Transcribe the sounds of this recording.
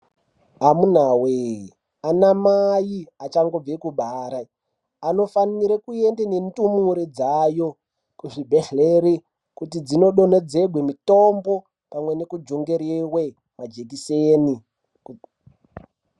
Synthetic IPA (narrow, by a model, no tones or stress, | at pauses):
ɦamun̤awe | anamajiat͡ʃaŋɡo̞b͡vekuɓaːɾa | ano̞faniɾekuendenentumuɾid͡zajo̞ | kuʐibʱeɬleɾi | kutid͡zino̞ɗo̞ne̞d͡ze̞ɡʱwemito̞mbo̞ | pamwe̞ne̞kud͡ʒo̞ŋɡe̞ɾewe | mad͡ʒek̬iseːni